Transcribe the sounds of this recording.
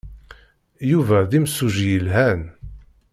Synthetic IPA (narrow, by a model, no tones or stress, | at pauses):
juvæðimsːuʒjəlɦæn